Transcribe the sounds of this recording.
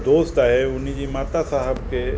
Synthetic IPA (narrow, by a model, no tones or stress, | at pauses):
d̪oːst̪aɦɛʊnid͡ʒimaːt̪asaɦəbke